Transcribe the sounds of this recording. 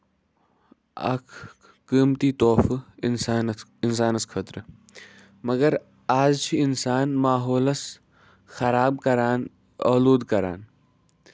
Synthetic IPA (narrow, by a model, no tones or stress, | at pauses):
ɐ̰kʰː | iːmt̪iːt̪oːfnsaːnɪns̬aːnɐskʰɐt̪ɾɨ | mɐɡɐɾ | aːd͡ʒt͡ʃʰiɪnsaːnmaːɦoːlɐs | xɐɾaːb̚kɐɾaːn | ɐ̰ːluːd̪kɐɾa̰ːn